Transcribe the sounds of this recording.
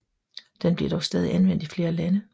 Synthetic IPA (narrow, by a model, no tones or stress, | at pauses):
d̥enb̥le̝d̥ɒʊsd̥ɛːð̞ˠiʔænʋen̰d̥ifle̝ːɐlænə